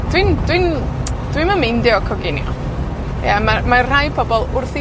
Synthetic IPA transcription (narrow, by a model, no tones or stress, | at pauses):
d̥wɪnd̥wɪnd̥winmamɪndɪɔkʰɔɡɪnjɔ̰ | jamamar̥ajpʰɔbɔlˠʊrθi